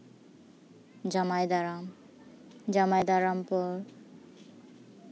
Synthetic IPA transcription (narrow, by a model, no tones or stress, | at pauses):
d͡ʑamajd̪aɾam | d͡ʑamajd̪aɾampɔɾ